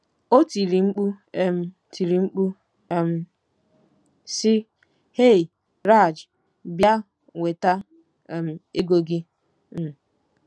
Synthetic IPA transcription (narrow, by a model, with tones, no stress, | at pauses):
o˦ti˨ɾi˨ŋ͡m̩˦k͡pu˦m̩˨ | tʰi˨ɾi˨ŋ͡m̩˦k͡pu˦ | m̩˨ | sɪ˦ | he˦˨ | ɾa˦˨d͡ʒ | bja˦ | ŋʷe˨ta˦˨ | m̩˨e˦ɡo˨ɡɪ˦ | m̩˨